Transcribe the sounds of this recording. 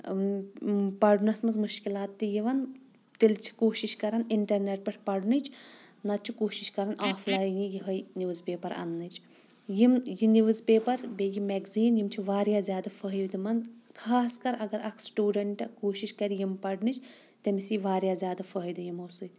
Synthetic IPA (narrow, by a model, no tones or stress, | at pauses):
pɐɖnɐsmɐzmuʃkilaːt̪ːijiʋɐn | t̪ilt͡ʃʰi̥koːʃiʃkɐɾɐniɳʈɐɾneʈ̚pɐʈʰʲpɐɖnit͡ʃʰ | nɐt͡ʃʰikoːʃiʃkɐɾɐnʔaːflaːjjĩjiɦɐjnʲuʋzpeːpɐɾɐ̰nːɨt͡ʃʰ | jimjiniʋɨzpeːpɐɾbejimeɡziːnjimt͡ʃʰiʋaːɾjaːzʲjaːd̪ɐfəɦjʋd̪imɐnkʰaːskɐɾɐɡɐɾɐkʰsʈuːɖɐɳʈɐkoːʃiʃkɐɾijimpɐɖnit͡ʃʰ | t̪ɐmisjiʋaːɾjaːzʲjaːd̪ɐfɐɦjd̪ijimɐːsɨ